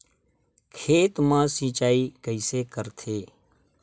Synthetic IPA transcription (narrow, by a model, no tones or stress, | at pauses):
kʰeːt̪mãːsĩt͡ʃaːikəɪsekəɾt̪ʰeː